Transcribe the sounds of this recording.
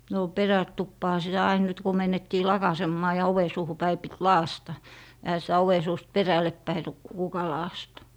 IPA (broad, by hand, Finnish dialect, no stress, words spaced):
no perætupːɑːhɑ sitæ ɑin nyt ku men etːiː lɑkɑsemːɑː jɑ oʋe suːhu pæi pit lɑːstɑ ehæ sitæ oʋe suːst perælːepːæi ru kukɑ lɑːstɑ̥